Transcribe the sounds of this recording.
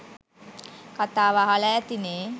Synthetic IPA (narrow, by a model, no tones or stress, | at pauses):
kat̪aːʋaɦaləɛt̪ineː